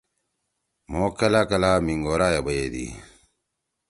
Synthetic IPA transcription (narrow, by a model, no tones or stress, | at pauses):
moːkɐlaːkɐlaːmiŋɡoːɾaːjɐbɐjed̪ḭ